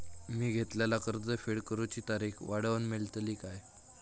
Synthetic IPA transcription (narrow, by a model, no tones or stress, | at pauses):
miːɡʱet̪ljalakəɾd͡z̪əfeɽkəɾut͡ɕiːt̪aɾixʋaɽəʋənmeɭt̪liːkaj